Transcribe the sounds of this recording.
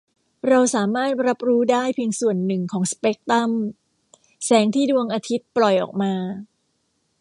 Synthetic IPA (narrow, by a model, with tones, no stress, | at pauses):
ɾa˧wsaː˩˦maː˥˩t̪̚ɾa˦˥p̚ɾuː˦˥daː˥˩jpʰi˧ŋsu˨˩ənːɯ˨˩ŋkʰɔː˩˦ŋspe˦˥k̚t̪a˥˩m | sɛː˩˦ŋt̪ʰiː˥˩du˧əŋʔaː˧t̪ʰi˦˥t̪̚plɔ˨˩jʔɔ̰ː˨˩k̚maː˧